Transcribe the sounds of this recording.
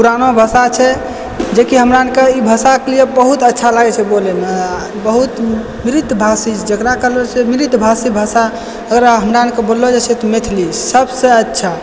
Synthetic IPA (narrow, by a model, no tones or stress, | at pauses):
puɾanobʱəsat͡ʃʰɛ | d͡ʒekiɦəmɾaənkeibʱəsakelijebəɦut̪ətːʃʰalaɡɛt͡ʃʰɛbolɛme | bəɦut̪ | miɾit̪bʱasid͡ʒəkɾakəlot͡ʃʰemiɾit̪bʱasibʱəsa | əɡəɾaɦəmɾaənkebolːod͡ʒet͡ʃʰɛt̪ɔmet̪ʰlisəbsẽətːʃʰa